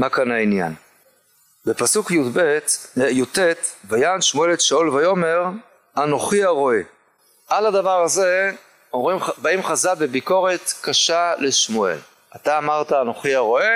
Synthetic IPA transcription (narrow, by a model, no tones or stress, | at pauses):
makanainja̰n | bepasukjudbe̞tjute̞t̪bajanʃmue̞letʃaulvajo̞me̞ʁ | ano̞χiaʁo̞e | ʔalad̪avaʁaze | oʁimbaimχazabebiko̞ʁe̞tkaʃale̞ʃmue̞̰l | ataːmaʁtaːno̞χiaʁo̞e